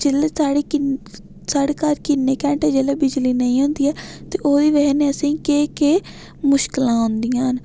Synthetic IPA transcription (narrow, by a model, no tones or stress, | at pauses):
d͡ʒeːleːsaːɽeːɪ | saːɽeːkaːɾkɪnːeːkɛ̃ːɳʈɛːd͡ʒeːleːbɪd͡ʒliːnəĩːɦõːnd̪iːɛːt̪eːʔoːd̪iːʋɛɦɛneːəsĩːkeːkeː | mʊʃkɪlãːɦʊ̃nd̪ijãːɦn